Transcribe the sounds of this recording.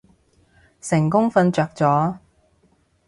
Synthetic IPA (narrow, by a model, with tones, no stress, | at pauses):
sɪ˨˩ŋkʊ˥ŋfɐ˧nt͡ʃœː˧k̚t͡sɔː˨˥